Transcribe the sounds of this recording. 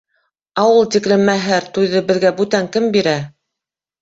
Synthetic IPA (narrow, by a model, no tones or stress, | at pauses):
ɑwɤlˠt̪iklɘ̆mæɦɘɾt̪ujðɤbɘ̆ðɡæbʉt̪æŋkɘmbiɾæ